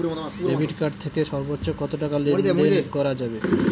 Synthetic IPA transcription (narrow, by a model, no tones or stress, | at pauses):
ebiʈkaɾɖ̚t̪ʰekeʃɔɾbotːɕokɔt̪oʈakaled̪eekɔɾad͡ʑabe